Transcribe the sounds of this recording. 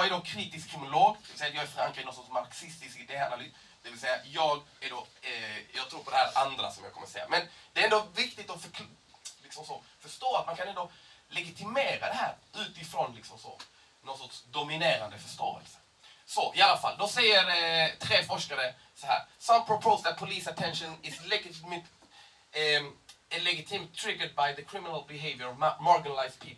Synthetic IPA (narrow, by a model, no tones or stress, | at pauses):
jɑæɖokʰɾiːt̪ɪskʰːɾɪmɪʊloːɡd̪ɛvɪlsɛjat̪jɑːɡæɾfɾaŋkɾiːnɔnsɔtːsmaɾksɪst̪ɪskd̪eːalalyː | d̪̥ɛvɪlsɛjːajɑːɡæɖojɑːɡt̪ʰɾuːɾpʰɔd̪ɛhæːɾand̪ɾa̰sɔmjɑ̰ɡkʰɔməsɛ̰jːa̰mɛnd̪̥ɛːɾɛnd̪ɔvɪkt̪ɪt̪ɔfœkʰ | lɪksɔmsɔfœʂt̪oːat̪̚mankʰanɛnd̪olɛɡɪt̪ʰɪmeːɾad̪ɛɦæ̰ːɾʉ̟ːt̪ɪfɾɔnlɪksɔmsɔ̰ | nɔnsɔʈʂd̪ʊmɪneːɾand̪əfœʂt̪o̰ːə̰lsə̥ | sɔʔɪalːafa̰ld̪ɔsɛjːəɾt̪ʰɾeːfɔʂkaɾə | sɔɦæ̰ːɾsampʰɾɔpʰoʊsd̪æt̪̚pʰʊliːsat̪ʰɛnʂənɪslɛɡmɪ | lɛɡɪt̪ʰiːmt̪ʰːɾɪɡad̪̚bajðəkʰɾɪmɪnalbɪɦeɪvjəɾɔvmɑɾɡɪnalaɪspʰiːp